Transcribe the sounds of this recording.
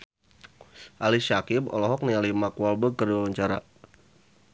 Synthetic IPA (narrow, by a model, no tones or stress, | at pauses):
ʔaliʃakibɔ̰lɔɦɔk̚nialimakualbəkərdwawaɲt͡ʃaɾa̰